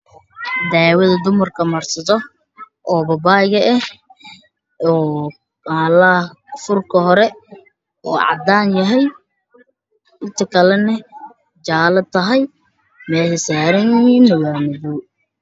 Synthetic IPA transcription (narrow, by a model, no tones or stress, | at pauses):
d̪aːwɐðɐd̪ʊmɐrkʰɐmɐrsɐðɔ | ʔɔːbɐbaːɪɣɐʔɛh | ɔː | aːlɐ | fʊrkʰɐɦɔɾɛ | ʔɔ̰ːʕɑ̰d̪aːnjɐɦɛj | ʔɪnt̪ʰɐkʰɐlɛnɛ | d͡ʒaːlɐt̪ʰɐɦɛj | mɛːhɪsaːɾɐnjɪhiːnːɐwaːmɪðu